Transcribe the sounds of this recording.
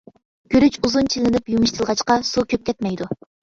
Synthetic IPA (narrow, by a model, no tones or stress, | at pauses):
ɡ̥ʲøɾyt͡ʃuzunt͡ʃʰilɪnɪpjumɨʃt̪ʰɨlˠʁɑt͡ʃqɑsukʲʰøp̚kʲɛt̪mɛjd̪u